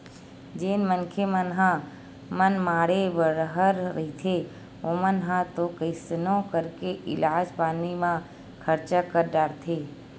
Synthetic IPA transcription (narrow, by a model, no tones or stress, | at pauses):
d͡ʒeːnmənkʰemənɦã | mənmaːɽebəɾəɦəɾːəɦit̪ʰe | oːmənɦãt̪okəɪsnõkəɾkeʔɪlaːd͡ʒpaːnimã | kʰəɾt͡ʃakəɾɖaːɾt̪ʰeː